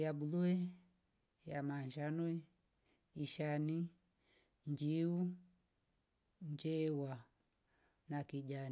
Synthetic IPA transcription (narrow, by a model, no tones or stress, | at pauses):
jaɓuluɛ | jamaɲd͡ʒanɔɛ | iʃani | ɲd͡ʒiu | ɲd͡ʒɛwa | nakid͡ʒan